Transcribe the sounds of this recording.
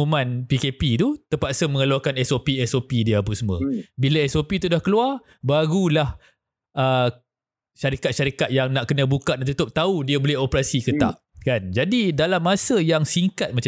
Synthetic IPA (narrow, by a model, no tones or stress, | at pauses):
umãnpikepit̪ut̪əpaʔsəməŋəluakanɛsopiɛsopidiəap̬əsmə̃bilaɛsopit̪udahkəluar | baɡulah | ʔə | ʃaɾikat̪̚ʃaɾikat̪̚jaŋnaʔkənə̃bukaʔdaʔt̪ut̪ʊp̚t̪audiabolɛɦopɾasikət̪a̰ʔ | kand͡ʒadidalamːasəjaŋsiŋkat̪̚mat͡ʃ